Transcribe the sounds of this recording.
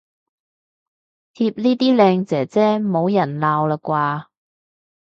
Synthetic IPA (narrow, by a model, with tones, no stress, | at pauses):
t̪ʰiː˧p̚niː˥t̪iː˥lɛː˧ŋt͡sɛː˨˩t͡sɛː˥mo˨˧wjɐ˨˩nlaː˨˧wlaː˧kwaː˧